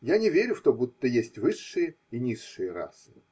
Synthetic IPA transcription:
janʲɪvʲeɾʲʊft̪obut̪ːəjesʲtʲvɨʂːɨjə | inʲisːɨjəɾa̰sɨ

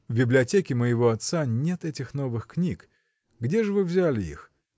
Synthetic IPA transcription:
vbʲɪblʲɪɐtʲekʲɪməjɪvo̞ɐt̪sanʲet̪ɛtʲɪxno̞vɨxknʲik | ɡdʲeʐɨvɨvzʲælʲɪḭx

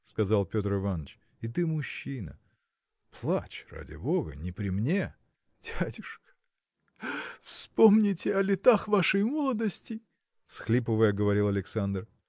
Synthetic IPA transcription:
skɐzalˠpʲo̞t̪rɨvanət͡ɕ | ɪt̪̬ɨmʊɕːinə̰ | plˠat͡ɕra̰dʲɪ̰boɡə̰nʲɪpɾʲɪmnʲe | d̥ʲædʲʊʂkə̥ | fspomnʲɪtʲɪɐlʲɪt̪axvaʂəjmolˠəd̪əsʲtʲɪ | fsxlʲipəvəjəɡəvɐɾʲilˠɐlʲɪksand̪r

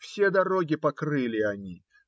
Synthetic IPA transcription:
fsʲe̞d̪ɐɾo̞ɡʲɪpɐkrɨlʲɪɐnʲi

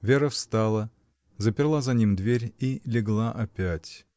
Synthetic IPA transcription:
vʲeɾəfst̪alˠə | zəpʲɪrlˠazɐnʲimd̪vʲeɾʲilʲɪɡlˠaʔɐpʲætʲ

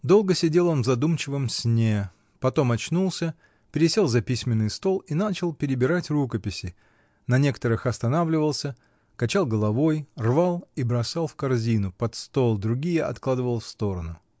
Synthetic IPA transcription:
d̪o̞lˠɡəsʲɪdʲe̞lˠo̞nvzɐd̪umt͡ɕɪvəmsʲnʲe̞ | pɐt̪o̞mɐt͡ɕnulˠsʲə | pʲɪɾʲɪsʲelˠzɐpʲisʲmʲɪnːɨjst̪o̞lˠin̪at͡ɕɪlˠpʲɪɾʲɪbʲɪɾatʲrukəpʲɪsʲɪ | nɐnʲe̞kə̥t̪əɾɨxɐst̪ɐnavlʲɪvəlˠsʲə | kɐt͡ɕalˠɡəlˠɐvo̞jrvalˠibɾɐsalˠfkɐrzʲinʊpɐt̪st̪o̞lˠd̪ɾʊɡʲijəɐ̰t̪klˠad̪ɨvəlˠfst̪o̞ɾənʊ

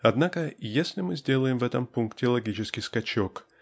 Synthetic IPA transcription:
ɐd̪nakəjesʲlʲɪmɨzʲdʲe̞lˠəjɪmvɛt̪əmpunktʲɪlˠɐɡʲit͡ɕɪskʲɪjskɐt͡ɕok

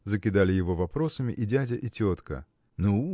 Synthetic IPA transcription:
zəkʲɪd̪alʲɪjɪvo̞vɐpɾo̞səmʲɪ̰ʔɪdʲædʲəʔɪtʲot̪kə̰ | nu

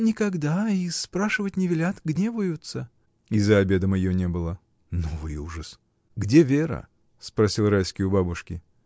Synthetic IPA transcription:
nʲɪkɐɡd̪aispɾaʂɨvətʲnʲɪvʲɪlʲat̪ɡnʲevəjʊt̪sə | izəɐbʲe̞d̪əmɐjjonʲebɨlˠə | novɨjuʐəs | ɡdʲevʲeɾə̰ | spɾɐsʲilˠrajskʲɪjʊbabʊʂkʲɪ

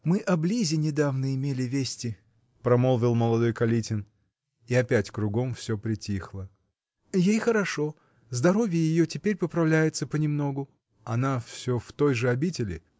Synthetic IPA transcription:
mɨʔɐblʲizʲɪnʲɪd̪avnəɪmʲelʲɪvʲesʲtʲɪ | pɾɐmolˠvʲɪlˠməlˠɐd̪o̞jkɐlʲitʲɪn | iɐpʲætʲkɾʊɡo̞mfsʲopɾʲɪtʲixlˠə | jejxəɾɐʂo̞ | zd̪ɐɾo̞vʲɪjəjɪjotʲɪpʲeɾʲpəpɾɐvlʲæjɪt̪səpənʲɪmno̞ɡʊ | ɐnafsʲo̞ft̪o̞jʐɨɐbʲitʲɪlʲɪ̰

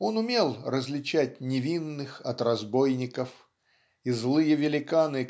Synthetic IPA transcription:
o̞nʊmʲe̞lˠrəzʲlʲɪt͡ɕæt̚ʲnʲɪvʲinːɨxɐt̪rɐzbo̞jnʲɪkəf | izlˠɨjəvʲɪlʲɪkanɨ

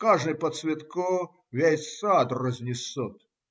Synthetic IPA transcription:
kaʐnɨjpət̪svʲɪt̪ko | vʲæsat̪rəzʲnʲɪsɔt̪

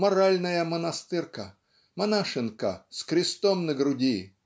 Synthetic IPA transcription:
mɐɾalʲnəjəmənɐst̪ɨrkə | mɐnaʂɨnkəskɾʲɪst̪omnəɡɾʊdʲi

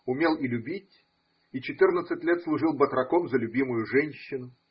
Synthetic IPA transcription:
ʊmʲelˠilʲʊbʲitʲ | it͡ɕɪt̪ɨrnət̪sɨtʲlʲet̪slˠʊʐɨlˠbət̪ɾɐkomzəlʲʊbʲimʊjʊʐɛnʲɕːɪnʊ

